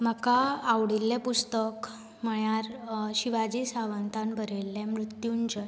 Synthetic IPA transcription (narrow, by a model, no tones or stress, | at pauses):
m̤akaːʋɽilːẽpust̪ək | m̤əɳjaɾɕiʋad͡ʑisaʋənt̪anbʱəɾelːemɾut̪juːɲt͡ɕ